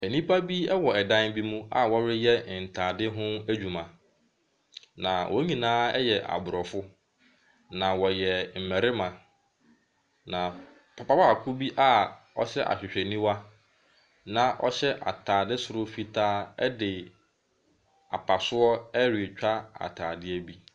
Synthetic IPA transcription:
æ˨nĩ˦pʰa˦bi˦ɛ˦wɔ˨ɛ˨dã˦n˦bi˦mũ˦a̰˨wɔ˦ɾɪ˦jɛ˦˨n̩˨tʰaː˨dɪ˦ɦʊ̃˦æ˦d͡ʑᶣu˨mã˨ | nã˨wʔɔ̰˦ɲĩ˨nãː˦ɛ˦jɛ˨ʔa̰˨bʊ˨ɾɔ˨fʊ˦ | nã˨wɔ˨jɛ˨m̩˨mæ˨ɾɪ˦mã˨ | nã˨ | pʰa˨pa˦ba˦a˨kʰʊ˦bi˦ʔa˦ | ɔ̰˦ɕɛ˦ʔa̰˨ɕᶣɪ˨ɕᶣɛ˨nĩ˦wa˦ | nã˨ʔɔ̰˦ɕɛ˦ʔa̰˨tʰaː˨dɪ˦sʊ˨ɾʊ˦fi˦tʰaː˦ɛ̰˦dɪ˨ | a̰˨pʰa˨sʊ˦ɔ˦ɛ˦ɾi˨e˨t͡ɕᶣa˦a̰˨tʰaː˨dɪ˦æ˦bi˦

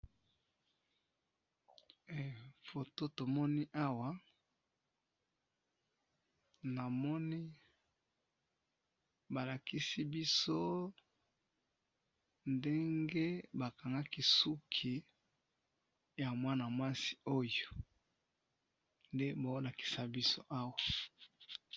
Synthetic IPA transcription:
fo˨to˦to˨mɔ˦ni˦ʔa˦wa˨ | na˨mɔ˦ni˦ | ba˨la˨ki˦si˦bi˦so˦ | nde˦ŋɡe˦ba˨ka˨ŋɡa˦ki˦su˦kʰi˨ | ja˨mwa˦na˨mwa˦si̥˨o˦jo˨ | nde˦ba˨o˦la˨ki̥˨sa˦bi˦so˦ʔa˦wa˨

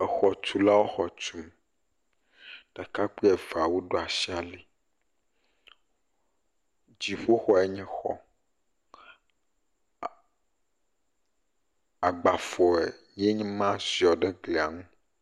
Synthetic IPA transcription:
ɛ˨xɔ˨t͡ʃu˨la˦wo˦xɔ˨t͡ʃu˨m | ɖ̥a˨ka˦k͡pe˦ɛ˨va˨wu˦ɖo˦a˨si˦a˨li˨ | d͡ʑi˨ɸo˦xɔ˨ɛ˦ɲɛ̃˦xɔ̰˦ | a˨ɡ͡ba˨fɔ˨e˨ | je˦ɲɛ̃˦mã˦si˨ɔ˨ɖe˦ɡle˨a˨ŋũ˦

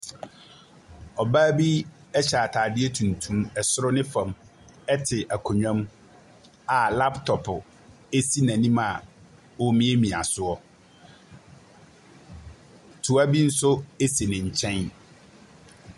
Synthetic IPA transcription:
ɔ˨baː˦bi˦ | ɛ˦ɕa˨a˨tʰaː˨dɪ˦ɛ˦tʰũ˨n˨tʰũ˦mɛ˨sʊ˦ɾʊ˦nɪ̃˦fã˨m | ɛ˦tʰɪ˨ʔa˨kʰɔ˨ɲᶣã˦m | a˨la˦ptʰɔ˨pʰʊ˨ | e˦si˦nã˨nĩ˦ma˨ | wo˨mĩ˦e˦mĩ˨a˨sʊ˦ɔ˦ | tʰu˨a˦bi˦n̩˦sʊ˦e˦se˨nɪ̃˨ɲ̩˨t͡ɕʰɛ̃˦n

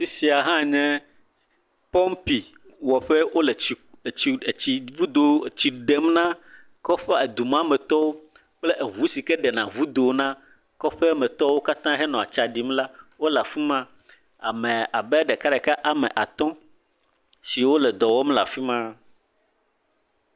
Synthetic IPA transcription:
fi˦si˨a˨ɦã˦ɲɛ̃˦ | pɔ˦mpi˨ | wɔ˨ɸɛ˦wo˦lɛ˨i˨t͡ɕi˨t͡ɕi˨vu˦d̪o˨t͡ɕi˨ɖe˦mnã˦ | kɔ˦ɸɛ˦e˨d̪u˨mã˦mɛ̃˨t̪ɔ˦wo˦ | k͡plɛ˦ʔe˨ɦu˨˦si˨kɛ˦ɖɛ˨nã˨vu˦d̪o˨nã˦ | kɔ˦ɸɛ˦mɛ̃˨t̪ɔ˦wo˦ka˦t̪ã˦ɦɛ˦nɔ̃˨a̰˨t͡ʃa˨ɖi˨mla˦wo˦la˨fi˦mã˦ | a̰˨mɛ̃˨a˨bɛ˦ɖɛ˨ka˦ɖɛ˨ka˦ʔa˨mɛ̰̃˨ʔa˨t̪ɔ̃˦ | si˨wo˦lɛ˨d̪ɔ˨wɔ˦mla̰˨fi˦mã˦

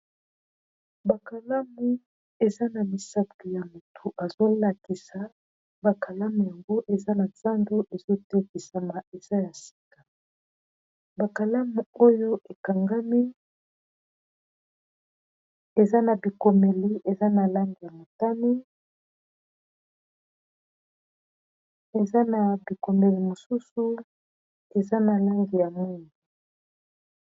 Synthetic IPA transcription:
ba˨ka˨la˦mu˦ | e˨za˦na˨mi˨sa˦pi˨ja˨mu˨tʰu˨ʔa˨zo˦la˨ki˨sa˨ | ba˨kʰa˨la˦mu˨ja˨ŋɡo˦ʔe˨za˦na˨za˦ndo˦ʔe˨zo˦tɛ˦ki˨sa˨ma˨e˨za˦ja˨si̥˨ka˨ | ba˨ka˨la˦mu˨o˦jo˦ʔe˨ka˨ŋɡa˦mi˦ | e˨za˦na˨bi˨ko˨me˨li˨ʔe˨za˦na˨la˦ŋɡi˨ja˨mo˨ta˦mi˦ | e˨za˦na˨bi˨ko˨me˨li˨mo˨su˦su˦ | e˨za˦na˨la˦ŋɡi˨ja˨mu˦˨ni˨

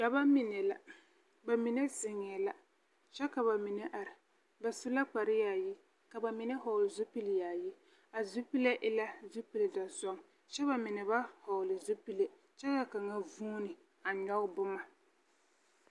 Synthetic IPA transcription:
ja˨ba˦mɪ˨nɛ˨la̰˨ | ba˨mi˨ne˦zɪ˨ŋɪ˨ɛ˨la˨ | t͡ʃɛ˦ka˨βa˨mɪ˨nɛ˦ʔa˨ɾɪ˨ | ba˨sʊ˦la˦k͡pa˨ɾɪ˦ja˨ji˦ | ka˨ba˨mɪ˦nɛ˦hɔ˨lɪ˨zʊ˦pi˦ljaː˨ji˦ | a˨zʊ˦pi˦le˦ʔɪ˦la˦zʊ˦pi˨lda˨zɔ˦ŋ | ʃɛ˦ba˨mɪ˨nɛ˨ba˦hɔ˨lɪ˨zʊ˦pi˦le˨ | t͡ʃɛ˦ka˨ka˨ŋa˦vuː˦nɪ˨ | a˨ɲɔ˦bʊ˦ma˨

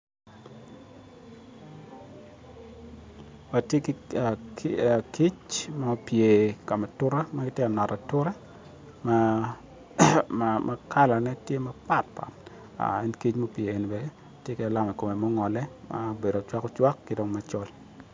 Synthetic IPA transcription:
a˨te˦ka˨ | ki˦t͡ʃmɔ˦pje˨ka˨mɛ˨tʊ˦ɾa˦maɡɪ˦tje˦a˨nɔ˨ta˨tʊ˦ɾɛ˦ | ma | mʔa˦kʰa˦la˨nɛ˦tje˦ma˦pa˨t̚pa̰˨ | a̰˨ɛ˦nki˦t͡ʃmɔ˦pjeː˨n˨bɛ˦˨ | tje˦kɛ˦a˨la˦mɛ˨ko˨me˨mɔ˦ŋɔ˨lɛ˦ma̰˦be˨do˨t͡ʃwa˦kɔ˦t͡ʃwa˦kːi˦do˦ŋma˦t͡ʃɔ˦l

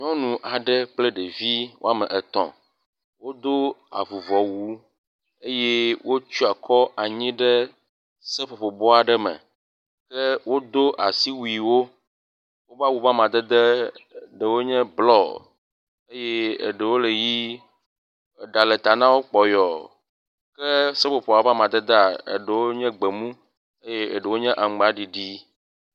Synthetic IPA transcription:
ɲɔ̃˦nũ˨ʔa˨ɖɛ˦k͡ple˦ɖe˨vi˦wʔo̰˦a˦mɛ̃˨ʔɛ˨t̪ɔ̰̃˨ | wo˦d̪o˦a̰˨vu˨vɔ˨wu˦ | e˦jɛ˦wo˦t͡ʃu˦a˨kʰɔ˦ʔa˨ɲĩ˦ɖɛ˦ | sɛ˦ɸo˨ɸo˨bɔ˦a˨ɖɛ˦mɛ̰̃˨ | kɛ˦wo˦d̪o˦ʔa˨si˦wu˨i˨wo˦ | wo˦ba˦wu˨ba˦mã˨d̪ɛ˦d̪ɛ˦ɖə˨wo˦ɲɛ̃˦blɔ˦ | e˦jɛ˦ḛ˨ɖə˨wo˦le˨ji˦ | e˨ɖa˨le˨t̪a˨nã˦wo˦k͡pɔ˨jɔ˨ | kɛ˦se˦ɸo˨ɸo˨a˨˦va˦mã˨d̪ɛ˦d̪a˨ḛ˨ɖə˨wo˦ɲɛ̃˦ɡ͡be˨mũ˦ | e˦je˦ḛ˨ɖə˨wo˦ɲɛ̃˦ʔa˨ɡ͡ba˨ɖi˨ɖi˦

